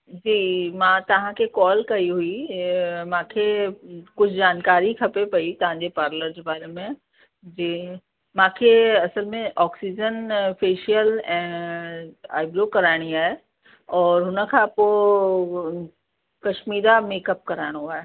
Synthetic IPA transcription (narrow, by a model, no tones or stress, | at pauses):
d͡ʑiːmãːt̪ɐʋ̤ãkʰekɔːlkɐiɦui | mãːkʰekʊd͡ʑʰʱd͡ʑaːnkaːɾikʰɐpepɐit̪ɐʋ̤ɦãɲd͡ʑepaːɾləɾd͡ʑebaːɾemẽ | d͡ʑeː | mãːkʰeɐsəlmẽʔɔːksid͡ʑənfʰeːʃijəlɛ̃ː | a̰ːɪbɾoːkɐɾaːɪɽ̃iaːɦe | ɔːɾɦʊnə̆kʰãːpo | kɐʃmiːɾameːkəp̚kɐɾaːɪɽ̃oaːɦe